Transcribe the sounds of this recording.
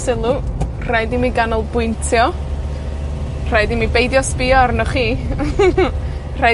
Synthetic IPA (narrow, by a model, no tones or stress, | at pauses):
sɪlˠu | r̥ajdimiɡanɔlˠbʊjntʰjɔ | r̥ajdimibejdjɔspɪɔarnɔχiː | r̥a